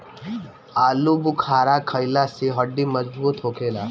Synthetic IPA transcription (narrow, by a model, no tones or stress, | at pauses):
aːlubʊkʰaːɾakʰəjlaseɦɐɖːimɐzbuːt̪ɦoːkʰeːlaː